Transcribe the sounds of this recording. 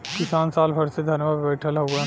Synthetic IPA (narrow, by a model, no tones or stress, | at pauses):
kɪsaːnsaːlbʱɐɽsed̪ʱɐnjʋaːd̪bɛːʈʰəlɦoɡa